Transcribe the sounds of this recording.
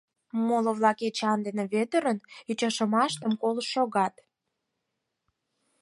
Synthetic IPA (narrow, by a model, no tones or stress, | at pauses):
moloβlɑket͡ɕɑnd̪eneβet̪əɾənyt͡ɕɑʃə̆mɑʃt̪əmkoləʃːoɣɑt̪